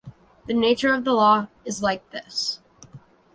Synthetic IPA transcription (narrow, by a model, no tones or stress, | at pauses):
ðɨneɪt͡ʃə˞ʌvðəlɔ | ɨzlaɪk̚ðɪs